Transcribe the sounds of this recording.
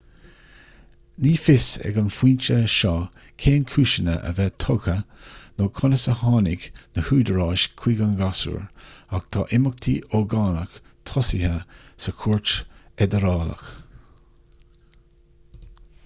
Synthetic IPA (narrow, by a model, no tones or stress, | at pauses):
niːfɪsɛ̰ɡənfiːnt͡ʃəʃɑː | kʰeːnkʰuːʃənə̰ʔə̰vɛt̪ʰɔɡənoːkʰʊnəsəhɑːnɪɡnəhuːd̪əɹɑːʃkʰw̥iːɡanɡasṵɹakt̪ʰɑ̰ːʔɪmək̚t̪ʰiʔɔɡɑːnək | t̪ʰɔsɪhəsəkʰuɹt͡ʃɛd̪əɾɑːlə̰x